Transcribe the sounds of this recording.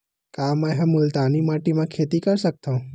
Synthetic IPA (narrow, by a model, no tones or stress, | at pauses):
kamə̃ɦɛ̃mʊlt̪animaʈimãkʰet̪ikəɾsək̚t̪ʰõ